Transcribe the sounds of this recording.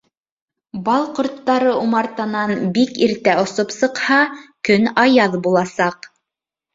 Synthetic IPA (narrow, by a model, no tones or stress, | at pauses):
bɑlˠqŏɾt̪ːɑɾɤumɑɾt̪ɑnɑnbikiɾt̪æʔŏsopsɤ̆qhɑkɵnɑjɑðbulˠɑsɑq